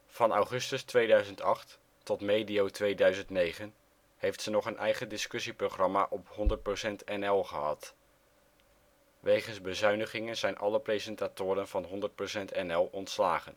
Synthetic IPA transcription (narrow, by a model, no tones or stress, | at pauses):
v̥ɑnɑwχɵstəstʋejdœɥzəntɑχtː | ɔtmejdiowtʋejdœɥzəntnejχən | hejftsənɔχənʔɛjχəndɪskɵsiproχrɑmaːʔɔphɔndəɹt̚prosɛntɛnɛlˠχəɦɑ̰t | ʋejχənzbəzœɥnəχɪŋənzɛjnʔɑləprejzɛntaːtʊːɾənvɑnɦɔndəɹt̚prosɛntɛnɛlˠɔntslaːχən